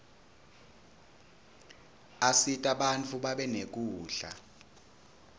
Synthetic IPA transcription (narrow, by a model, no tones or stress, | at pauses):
asitʼaɓant͡fʰuɓaɓɛnek̬uːɮa̰